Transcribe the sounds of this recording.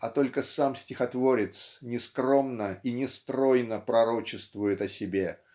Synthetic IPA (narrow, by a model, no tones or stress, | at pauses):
ɐt̪o̞lʲkəsamsʲtʲɪxɐt̪vo̞ɾʲɪt̪snʲɪskɾo̞mnəinʲɪst̪ɾo̞jnəpɾɐɾo̞t͡ɕɪst̪vʊjɪt̪ɐsʲɪbʲe̞